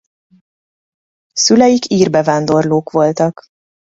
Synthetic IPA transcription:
sylɛjikiːrbɛvaːnd̪o̞rloːkʋo̞lt̪ɒk

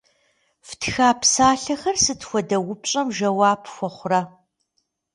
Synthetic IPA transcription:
ftʰxaːpsaːɬɐxɐrsɨtxʷɔdɐwʊpɕʼɐmʒɐwaːpʰxʷɔχʷʊraː

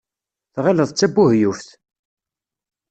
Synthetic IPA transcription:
θʁæləðˤt͡sːæbːuhjufθ

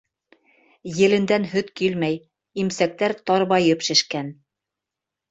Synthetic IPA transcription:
jɘ̆lɘ̆nd̪ænɦɵt̪kilmæj | imsæk̚t̪æɾt̪ɑɾbɑjɤpʃɘ̆ʃkæn

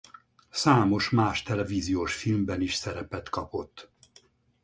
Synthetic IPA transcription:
saːmo̞ʃmaːʃt̪ɛlɛviːzijoːʃfilmbɛniʃsɛɾɛpɛt̪kɒpo̞t̪ː

